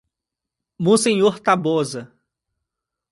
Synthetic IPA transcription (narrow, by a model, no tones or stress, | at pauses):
mõsẽɲoɾt̪abozɐ